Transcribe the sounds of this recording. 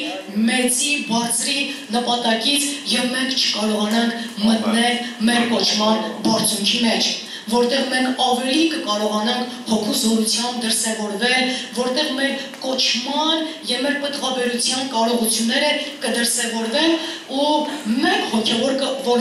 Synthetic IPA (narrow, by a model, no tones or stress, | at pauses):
mɛt͡sibɑɾt͡sʰɾinəpɑt̪ɑkit͡sʰjɛvmɛŋkʰt͡ʃʰə̥kɑɾɔʁɑnɑŋkʰmət̪nɛlmɛɾkɔt͡ʃʰmɑnbɑɾt͡sʰuŋkʰimɛt͡ʃʰ | vɔɾt̪ɛʁmɛŋkʰɑvɛlikəkɑɾɔʁɑnɑŋkʰ | hɔkʰuzɔɾut͡sʰjɑmb̚d̪əɾsɛvɔɾvɛlvɔɾt̪ɛʁmɛɾkɔt͡ʃʰmɑnjɛvmɛɾpət̪χɑbɛɾut͡sʰjɑnkɑɾɔʁut͡sʰjunːɛɾəkəd̪əɾsɛvɔɾvɛn | umɛɾhɔkʰɛvɔɾkəvɔ